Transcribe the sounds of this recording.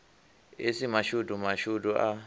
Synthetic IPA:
esimaʃudumaʃuduʔa

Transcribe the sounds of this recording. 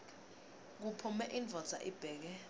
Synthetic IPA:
k̬upʰumɛʔind͡vʱɔd̥z̥ʱa̰ʔib̥ʱɛːk̬ɛ

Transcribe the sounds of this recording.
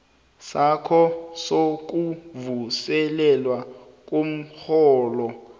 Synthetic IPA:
sakʰɔsok̬uvusɛlɛlwa | k̬ʼom̩xɔːlɔ

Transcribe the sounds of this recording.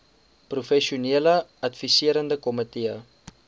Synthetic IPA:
prufɛʃuniələɐtfisiəɾəndəkɔmətiə

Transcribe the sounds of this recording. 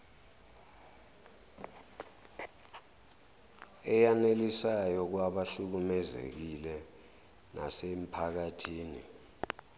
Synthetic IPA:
ɛjanelisajɔk̬waɓaɬuk̬umɛzḛk̬ilɛ | na̰sem̩pʰak̬atʰiːnḭ

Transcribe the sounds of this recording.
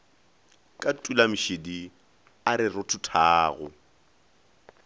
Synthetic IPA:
kʼatʼulam̩ʃedi | aɾɪrʊtʰʊtʰaːɣʊ̰

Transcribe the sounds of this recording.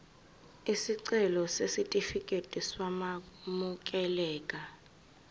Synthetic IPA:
isiǀɛlɔsesitʼifikʼetʼiswamamuk̬ʼɛlɛːkʼa

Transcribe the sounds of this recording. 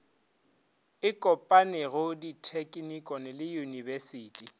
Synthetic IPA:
ɪkʼɔpʼanɪɣʊditʰekʼnikʼɔnɪlɪjunibɛsiːtʼi

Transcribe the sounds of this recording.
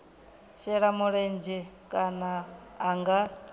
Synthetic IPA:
ʃɛɺamuɺɛnd͡ʒɛkʼanaːŋɡa

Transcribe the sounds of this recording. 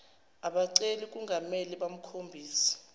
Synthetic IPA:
aɓaǀelik̬ʼuŋɡʱameliɓam̩kʰombʱiːsi̥

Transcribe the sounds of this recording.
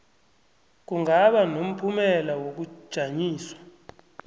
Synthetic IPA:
k̬uŋɡʱaɓanom̩pʰumɛlawok̬u̥ʒ̥ʱaɲiːswḁ

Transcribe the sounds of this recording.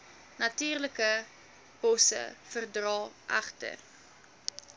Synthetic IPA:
nɐtyːrləkə | b̥ɔsə̰fərdrɑːʔɐχtə̰r

